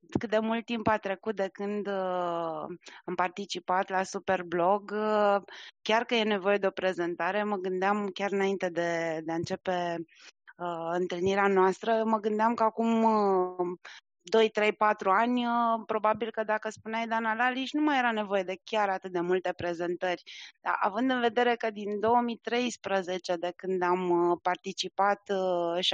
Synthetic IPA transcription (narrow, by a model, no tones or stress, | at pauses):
kɨt̪̚d̪e̞mult̪̚tːimpat̪ɾe̞kut̪̚d̪e̞kɨnd̪ | ampart̪it͡ʃipat̪lasupe̞rblo̞ɡ | kʲarkəjene̞vo̞je̞d̪e̞o̞pɾe̞ze̞nt̪aɾe̞məɡɨnd̪eamkʲaɾɨnaint̪e̞d̪e̞d̪eɨnt͡ʃe̞pe̞ | əɨnt̪ɨlniɾeanoast̪ɾəməɡɨnd̪eamkəakumə | d̪o̞jt̪ɾe̞jpat̪ɾuanʲəpɾo̞babilkəd̪akəspuneajd̪analaliʃnumaje̞ɾane̞vo̞je̞d̪e̞kʲaɾat̪ɨt̪̚d̪e̞mult̪e̞pɾe̞ze̞nt̪ərʲd̪̥a̰ʔa̰vɨnd̪ɨnve̞d̪e̞ɾe̞kəd̪ind̪o̞əmit̪ɾe̞jspɾəze̞t͡ʃe̞d̪e̞kɨnd̪ampart̪it͡ʃipat̪ʃ